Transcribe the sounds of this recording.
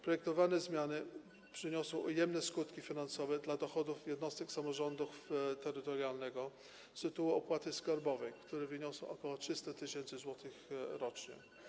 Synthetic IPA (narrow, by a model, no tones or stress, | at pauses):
pɾɔjɛk̚t̪ɔvanɛzmʲjanɘ | pʂɘɲɔsɔ̃w̃ujɛmnɛskut̪kʲifʲinansɔvɛd̪lad̪ɔxɔd̪ufjɛd̪nɔst̪ɛksamɔʐɔnd̪uft̪ɛɾɘt̪ɔɾjalnɛɡɔ | st̪ɪt̪uwɛɔpwat̪ɘskaɾbɔvɛjkt̪uɾɛvɘɲɔsɔ̃w̃ɔkɔwɔtʂɘst̪at̪ɘɕɛnt̪sɘzwɔt̪ɘxɾɔt͡ʂɲɛ̰